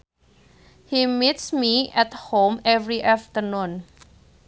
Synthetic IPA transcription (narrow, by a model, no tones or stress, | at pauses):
himitsmiɛthõmɛvɹiʔaftənũn